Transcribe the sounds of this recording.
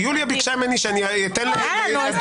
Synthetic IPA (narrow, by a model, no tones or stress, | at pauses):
juljabikʃajmeniʃeanit̪enle